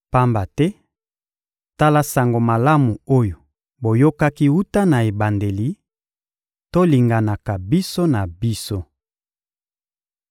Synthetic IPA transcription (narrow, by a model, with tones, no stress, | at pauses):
pa˦mba˨tɛ˦ | ta˦la˦sa˨ŋɡo˨ma˨la˦mu˨o˦jo˨ | bo˨jo˦ka˦ki˦u˦ta˦na˨e˨ba˨nde˨li˨ | to˦li˨ŋɡa˨na˨ka˨bi˦so˦na˨bi˦so˦